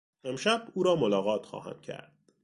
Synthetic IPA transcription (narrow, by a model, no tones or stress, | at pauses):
e̞mʃæbuːɾɒːmo̞lɒːɣɒːt̪xɒ̰ːhæ̰mcʰæ̰ɾd̪̥